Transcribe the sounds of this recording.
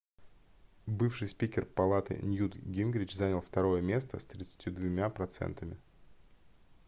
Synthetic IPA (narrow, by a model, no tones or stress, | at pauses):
bɨfʂɨjspʲikʲɪrpɐlˠat̪ɨ̰nʲjud̪ɡʲinɡɾʲɪt͡ɕzanʲəlˠft̪ɐɾo̞jəmʲe̞s̬t̪əst̪ɾʲɪt̪sɨ̥tʲud̪vʊmʲapɾɐt̪sɛ̰nt̪əmʲɪ